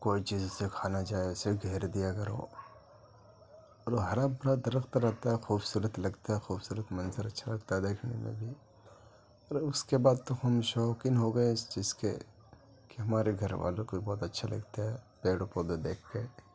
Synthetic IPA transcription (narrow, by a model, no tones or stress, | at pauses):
koːit͡ʃiːzʊsekʰaːnad͡ʒaːeʊseɡʱeːɾd̪ijakɐɾo̰ | ɔːɾoɦɐɾaːbbɐɾad̪ɐɾəxt̪ɾɛɦt̪aɦɛxuːbsuːɾət̪lɐɡt̪aɦɛxuːbsuːɾət̪mɐnzəɾɐtːʃʰalɐɡt̪aɦɛd̪eːkʰnḛmḛ̃bʱi | ɔɾʊskebaːd̪̚t̪oxɐmʃɔːkɪnɦoɡɐẽɪst͡ʃiːzkḛ | kiɦɐmaːɾeɡʱɐɾʋa̰ːlokoibɔːt̪ɐtːʃʰalɐ̰ɡt̪aɦɛpeːɽopod̪od̪eːkʰke